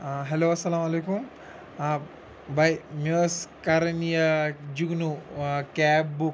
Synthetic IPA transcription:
ɦeloːɐsːɐlaːmɐlekum | bɐjmoskɐɾɐnijɐd͡ʒuɡnukɛːbbuk

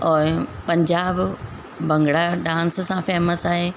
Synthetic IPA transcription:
ɔːɾpɐ̃ɲd͡ʑaːb | bʱɐ̃ŋɡɽaɗãːnssãfeːməsaːɦeː

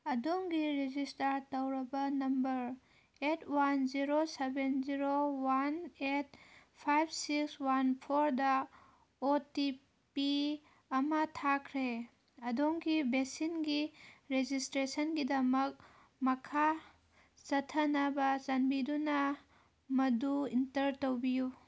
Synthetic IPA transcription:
ɐdoŋɡiɾed͡ʒistɐɾtɐwɾɐbɐnɐmbɐɾ | etʰwanziɾosebenziɾowanet̚ | pʰajbʰsikswanpʰoɾdɐ | oti | pi | ɐmɐtʰakʰɾe | ɐdoŋɡibesinɡiɾed͡ʒistɾesɐnɡidɐmɐk̚ | mɐkʰa | sɐtʰːɐnɐbɐzɐnbidunɐ | mɐduintɐɾtowbiju

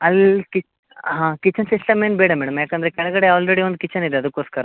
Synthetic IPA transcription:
ɐlki | ɦãːkit͡ʃːɐnsiʂʈɐmeːnbeːɽɐmɛːɽɐmjaːkeɐnd̪ɐɾekɛɭɐɡɐɽeaːlɾeɽio̞nd̪ukit͡ʃːɐnid̪eɐd̪ukːoːskɐɾɐ

